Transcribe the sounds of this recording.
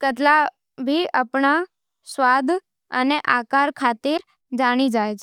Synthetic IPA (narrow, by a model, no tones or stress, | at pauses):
kəʈla | bʱiapɳa | sʋad̪ʱ | əneʔakaɾkʰat̪iɾ | d͡ʒaɽ̃id͡ʒajt͡ʃʰ